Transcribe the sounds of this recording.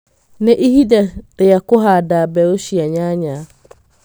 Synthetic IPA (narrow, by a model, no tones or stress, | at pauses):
nɪ̃ʔiɦidaɾɪjakʊɦadabɛoʃiaɲaɲã